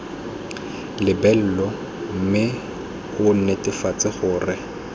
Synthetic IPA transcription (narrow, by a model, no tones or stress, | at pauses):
lɪbɛl̩lɔ | m̩mɪ | ʊn̩nɛtɪfat͡sɪχʊːrɪ